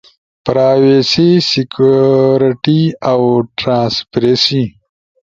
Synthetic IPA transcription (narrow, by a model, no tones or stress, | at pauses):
pɾaːwesisikuɾʈiawʈɾãːnspɾesi